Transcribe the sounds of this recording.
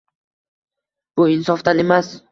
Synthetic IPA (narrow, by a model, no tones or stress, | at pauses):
b̥ʊɪnsɒft̪ane̞mas